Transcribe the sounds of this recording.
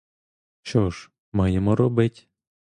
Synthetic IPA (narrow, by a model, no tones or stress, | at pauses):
t͡ʃɔʒ | mɑjemɔɾɔbɪtʲ